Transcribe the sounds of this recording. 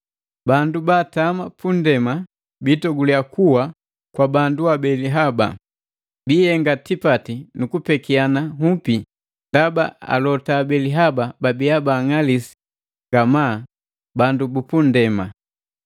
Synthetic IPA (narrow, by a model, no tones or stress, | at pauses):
bandubaːtamapundɛma | bitɔɡulijakuwa | kwabanduabɛliɦaba̰ | biːjɛŋɡatipatinukupɛkianahupi | ndaba̰a̰lɔtaːbɛliɦabababiabaːŋalisi̥ | ŋɡamaː | bandubupundɛma